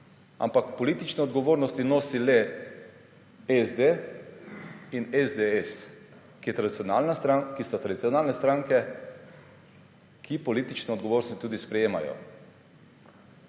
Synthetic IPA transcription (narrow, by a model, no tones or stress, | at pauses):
a̰mpakpɔliːt̪it͡ʃnɛɔd̪ɡɔʋoːɾnɔst̪inoːsilɛ | ɛzd̪e | inɛzd̪eɛs | kijɛt̪ɾad̪it̪sjɔnalnast̪ɾakist̪at̪ɾad̪it̪sʲjɔnaːlnɛst̪ɾaŋkɛ | kʰipɔliːt̪it͡ʃnɛɔd̪̚ɡoʋoːɾnɔst̪i̥t̪uːd̪ispɾɛjeːma̰jɔ̰